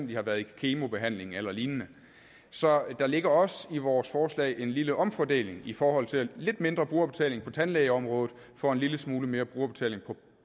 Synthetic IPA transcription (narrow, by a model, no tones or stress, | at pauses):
n̰d̥ihɑ̈ʋæɐðˠikʰe̝ːmo̝b̥e̝ɦæn̰le̝ŋ̩elɐliːnnə | sɒ̽d̥ɑ̈le̝ɡ̥ɐɒ̽siʋɒːsfɒːslɛ̰ɪʔe̝nliləʔɒ̽mfɒd̥e̝̰ːle̝ŋifɒːhɒ̽l̰t͡sʰe̝lle̝d̥me̝nd̥ʁɐb̥ʁuːɐb̥e̝t͡sʰɛ̰ːle̝ŋpʰɒ̽t͡sʰænlɛɪɒ̽mʁɔ̽ːð̩ˠ | fɒ̽e̝nliləsmuːləme̝ːɐb̥ʁuːɐb̥e̝t͡sʰɛ̰le̝ŋpʰɒ̽